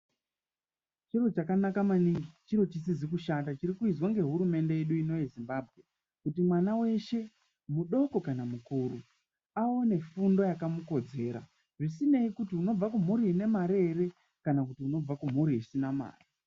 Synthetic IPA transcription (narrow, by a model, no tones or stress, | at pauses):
t͡ʃiro̞t͡ʃakanakamanit͡ʃiro̞t͡ʃisizikuʃatat͡ʃirikuizwaŋɡe̞ɦuɾume̞nde̞jeɗuino̞jezimbaːbʱɣe̞ | kutimwanawe̞ʃe̞ | muɗo̞ko̞kanamukuːru | aone̞fundo̞jakamuko̞d͡ze̞ːɾa̰ | ʐisine̞ikutiuno̞b͡vakum̤uɾiːne̞maɾere̞ | kanakutiuno̞b͡vakum̤uɾiisinama̰ːri